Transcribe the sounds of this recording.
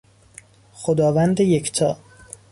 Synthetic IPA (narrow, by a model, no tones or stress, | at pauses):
xod̪ɒːvænd̪eject̪ʰɒː